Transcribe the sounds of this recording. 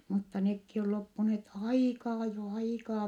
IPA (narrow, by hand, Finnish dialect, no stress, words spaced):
mutːɑ nekːi ol lopːuneːt ɑikɑː jo ɑikɑː